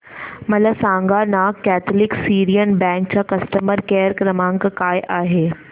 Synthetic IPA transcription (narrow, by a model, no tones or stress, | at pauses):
mɐləsãːŋɡanaːkːɛːt̪ʰlɪksiːɾijənbɛ̃ːŋk̚t͡ɕakɐsʈəməɾkeːɾkɾɐmãːŋkkaːjʔaːɦeː